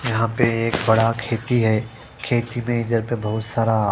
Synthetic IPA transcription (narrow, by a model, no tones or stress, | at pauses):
jɐɦãpeeːkbɐɽakʰeːt̪iɦɛː | kʰeːt̪imẽɪd̪əɾpebɐɦʊt̪saːɾa